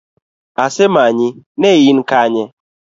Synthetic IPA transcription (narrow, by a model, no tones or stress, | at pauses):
asɪmaɲinejin̩kaɲe